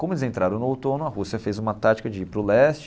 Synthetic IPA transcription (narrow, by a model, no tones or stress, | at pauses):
kõmʊelɪzẽnt̪ɾaɾɐ̃w̃nʊowt̪õnʊɐhusiɐfezũmɐt̪at͡ʃi̥kɐd͡ʒɪipɾʊlɛst͡ʃ